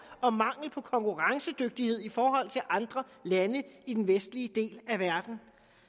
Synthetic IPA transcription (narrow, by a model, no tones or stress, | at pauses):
ɒ̽mɑ̈ŋ̰l̩pʰɒ̽kʰɒ̽ŋkʰuʁɑ̈ŋsəd̥øɡ̥̚d̥ihe̝ð̞̰ˠifɒːɦɒ̽l̰t͡sʰe̝lʔɑ̈nd̥ʁɐlænəid̥enʋesd̥liəd̥e̝̰ːlæʋæɐd̥n̩